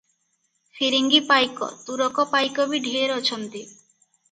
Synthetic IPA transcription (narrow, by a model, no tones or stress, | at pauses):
fiɾiŋɡipajkɔ̰t̪uɾɔkɔpajkɔbiɖʱieɾɔt͡ʃʰɔnt̪i